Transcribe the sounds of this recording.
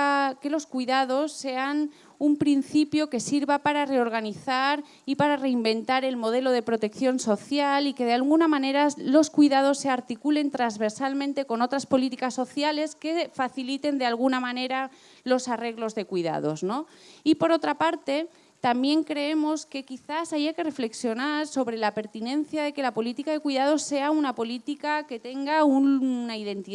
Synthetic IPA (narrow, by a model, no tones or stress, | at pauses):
ke̞lo̞skwiðað̞o̞sːe̞an | umpɾin̟θipjo̞ke̞siɾβapaɾare̞o̞ɾɣ̞aniθaɾ | ipaɾare̞imbe̞nt̪aɾe̞lmo̞ð̞e̞lo̞ðe̞pɾo̞t̪e̞kθjo̞nso̞θjalike̞ðealɣunamãne̞ɾalo̞skwiðað̞o̞sːe̞aɾt̪ikule̞nt̪ɾanzβe̞ɾsalmẽnt̪e̞ko̞no̞t̪ɾaspo̞lit̪ikasːo̞θjale̞ske̞faθilit̪e̞nd̪ealɣ̞unamãne̞ɾa | lo̞sare̞ɣlo̞zðe̞kwiða̰ð̞o̞zno̞ | ipo̞ɾo̞t̪ɾapaɾt̪e̞ | t̪ambje̞ŋkɾe̞e̞mo̞ske̞kiθasajake̞re̞fle̞ksjo̞naɾso̞βɾe̞lape̞ɾt̪inẽ̞nθjaðe̞ke̞lapo̞lit̪ikaðe̞kwiðað̞o̞se̞aunapo̞lit̪ikake̞t̪e̞ŋɡaunaiðe̞nt̪i